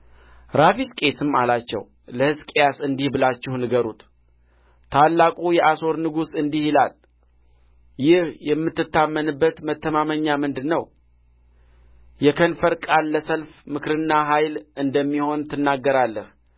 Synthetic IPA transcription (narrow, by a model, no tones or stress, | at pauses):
ɾafiskʼe̞t̪ʰɨmːalat͡ʃːɛ̰w | ləhɨskʼejasɨnd̪ihbɨlat͡ʃːɪhnɨɡəɾṵt̪ | t̪ʰalːakʼujɛʔaso̞ɾnɨɡusɨnd̪ihilal | jɪhjɛmːɨt̪ːɨt̪ːamːənɨbːət̪mət̪ːəmaməɲːamɨnd̪ɨnːəw | jɛkʰənfəɾkʼalːəsəlfmɨkɾɨnːaɦajlɨnd̪əmːiho̞nt̪ʰɨnːaɡːəɾalːəh